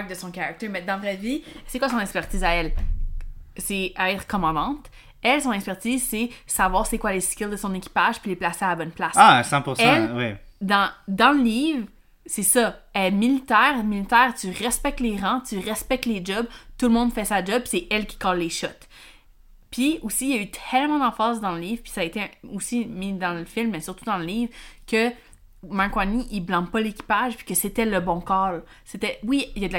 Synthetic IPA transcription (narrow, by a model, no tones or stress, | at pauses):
k̚d̪əsɔ̃kaʁak̚t̪ɪmɛd̪ɑ̃vʁɛvisɛkwasɔ̃nɛkspɛʁt̪iːzaɛl | sɛɛːt̪χə̥kɔmɑ̃d̪ɑ̃t̪ | ɛlsɔ̃nɛkspɛʁt̪iːzsesavwɑːʁsekwaleskʲɪld̪əsɔ̃nekʲi̥paʒ̥pileplaseabɔnplasasɑ̃puʁsɛlwɛd̪ɑ̃d̪ɑ̃ləliːvʁ | sɛsʌɛɛmilit̪ɛːʁmilit̪ɛːʁt̪yʁɛspɛk̚t̪leʁɑ̃t̪yʁɛspɛk̚t̪led͡ʒɔbt̪ulmɔ̃d̪fɛsad͡ʒɔb̚pi̥seɛlkʲi̥kɑlleʃɔt̪ | pʰɥiosijayt̪ʰɛlmɑ̃d̪ɑ̃fɑːsd̪ɑ̃ləliːvʁpi̥saːet̪eosimid̪ɑ̃ləfilmːɛsyʁt̪ud̪ɑ̃ləliːvʁkʲə | mãkwaniʔiblɑ̃bpʌlekʲi̥paʒpi̥kəset̪ɛləbɔ̃kɑːl | set̪ɛwiijad̪əl